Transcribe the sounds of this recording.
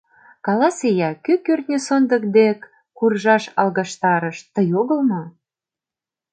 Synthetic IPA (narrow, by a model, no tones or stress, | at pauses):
kɑlɑsejɑkykørt̪nʲesond̪ək̚d̪ekː | urʒɑʃɑlɣɑʃt̪ɑɾəʃt̪əjoɣə̆lmɤ